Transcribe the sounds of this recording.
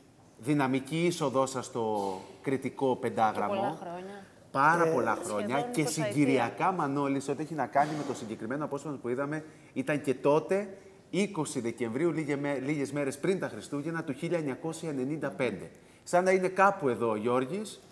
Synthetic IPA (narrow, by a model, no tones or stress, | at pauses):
ðinɐmiciiso̞ðo̞sɐst̪o̞kɾit̪iko̞pe̞nd̪ɐɣɾɐmo | pɐɾɐpo̞lɐxɾo̞ɲɐce̞siɲɟiɾiɐkɐmɐno̞lisiot̪ie̞çinɐkɐnime̞t̪o̞siɲɟe̞kɾime̞noɐpo̞sfɐopuiðɐme̞ | it̪ɐɲce̞t̪o̞t̪e̞ | iko̞siðe̞ce̞ɱvɾiuieeliʝe̞zme̞ɾe̞spɾint̪ɐxɾist̪uʝenɐt̪uçiʎɐeɲɐko̞sjɐene̞nind̪ɐpe̞nd̪e̞ | sɐnd̪ɐine̞kɐpue̞ðo̞ʝo̞ɾʝis